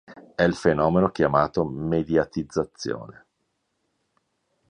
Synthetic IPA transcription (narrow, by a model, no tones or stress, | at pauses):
ɛilfenɔːmenokjamaːt̪omed̪jat̪id̪zːat̪sːjo̰ːne